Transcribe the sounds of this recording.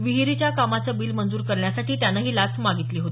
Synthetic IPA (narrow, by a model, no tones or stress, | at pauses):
ʋiɦiɾit͡ɕjakamat͡sabiːlmənd͡zuːɾkəɾɳjasaʈiːt̪janːaɦiːlat͡smaɡit̪liːɦot̪iː